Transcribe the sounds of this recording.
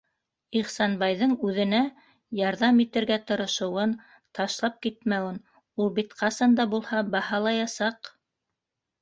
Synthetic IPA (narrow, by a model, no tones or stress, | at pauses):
iχsɑnbɑjðɤɴʉðɘ̆næ | jɑɾðɑmit̪ɘ̆ɾɡæt̪ɤ̆ɾɤ̆ʃɤ̆wɤn | t̪ɑʃlˠɑp̚kit̪mæwɘn | ulˠbit̪qɑsɑnd̪ɑbulˠhɑbɑhɑlˠɑjɑsɑq